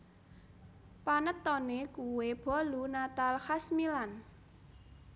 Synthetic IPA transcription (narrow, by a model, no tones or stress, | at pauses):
panət̪ːɔnekuweb̥ɔ̤lunat̪alxasmilan